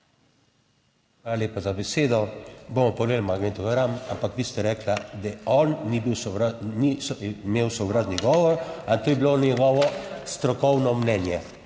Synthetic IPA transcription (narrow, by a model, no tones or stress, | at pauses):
xʋalalʲeːpazabɛseːd̪ɔbomɔpɔleːlmaɡnet̪ɔɡaɾamampakʋiːst̪ɛɾɛːklad̪ɛɔnːibiwsnismeːwsɔwɾad̪niɡɔːʋɔɾat̪oːjɛbilonjɛɡɔʋɔst̪ɾɔkɔwnɔmnɛnjɛ